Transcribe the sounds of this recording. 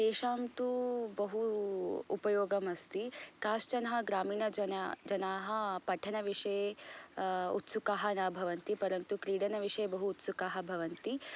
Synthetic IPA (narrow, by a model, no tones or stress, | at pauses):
t̪eːʃaːmt̪ubɐɦuupɐjoːɡɐmɐst̪ikaːʃt͡ʃɐnɐɦɐ̆ɡɾaːmiːnɐɐnad͡ʒɐnaːɦɐ̆pɐʈʰɐnɐʋiʂɐje | ut̪sukaːɦɐnaːbʱɐʋɐnt̪ipɐɾɐnt̪ukɾiːɽɐnɐʋiʂɐjebɐɦuːt̪sukaːɦɐ̆bʱɐʋɐnt̪i